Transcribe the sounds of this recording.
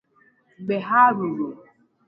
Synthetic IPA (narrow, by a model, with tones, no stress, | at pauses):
ɡ͡be˨ɦa˦ɾu˨ɾo˨